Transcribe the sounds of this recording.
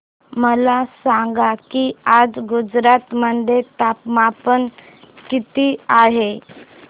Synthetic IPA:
məlasãŋɡakiad͡zɡud͡zɾat̪məd̪ʱet̪apmapən | kit̪iaɦe

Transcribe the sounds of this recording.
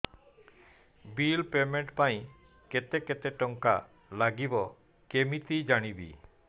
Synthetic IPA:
bilpemeɳʈpaj̃ | ket̪ɛket̪ɛʈɔŋka̰ | laɡibɔ | kemit̪id͡ʒaɽ̃ibḭ

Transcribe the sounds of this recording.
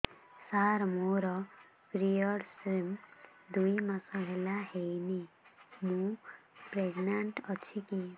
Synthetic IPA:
saɾmoɾʌ | kɾijʌɾsrimd̪ujmasʌɦelaɦejne | mũpreɡnaɳʈʌt͡sʰiki

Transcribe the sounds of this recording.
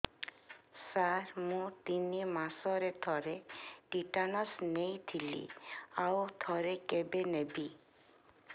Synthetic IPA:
saɾmũt̪inimasɔɾet̪ʰɔɾeʈiʈanɔsnejt̪ʰilḭawt̪ʰɔɾekebenebi

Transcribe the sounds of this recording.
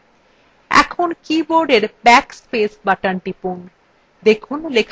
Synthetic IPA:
ɛ̰kʰonkiboɾɖeɾbɛkspesbaʈanʈipun | d̪ekʰunlekʰ

